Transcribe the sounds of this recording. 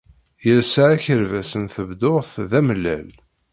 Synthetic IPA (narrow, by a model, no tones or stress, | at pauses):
jəlsaʕæçəɾvæsənθəvd̪oʁθðæmlːæ̰l